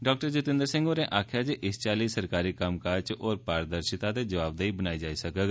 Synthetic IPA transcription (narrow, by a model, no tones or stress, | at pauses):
ɖaːk̚ʈəɾd͡ʒʊt̪ɪ̃nd̪əɾsɪ̃ŋɡoːɾẽːʔaːkʰjaːd͡ʒiʔɪst͡ʃaːliːsəɾkaːɾiːkəmkaːt͡ʃɔːɾpaːɾd̪əɾʃɪt̪aːd̪eːd͡ʒəʋaːb̚d̪aːiːbənaːid͡ʒaːiːsəkəɡ